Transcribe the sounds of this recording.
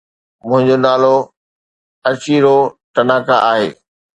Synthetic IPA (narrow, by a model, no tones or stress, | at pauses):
mʊ̃ɦɪ̃ɲd͡ʑonaːlo | ɐt͡ɕiɾoʈ̪ɐnaːkaʔaːɦḛː